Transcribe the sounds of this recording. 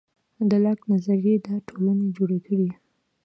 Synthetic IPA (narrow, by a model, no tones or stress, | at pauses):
d̪əlaknazaɾjed̪ɑʈʰolaned͡ʒoɽekəɽi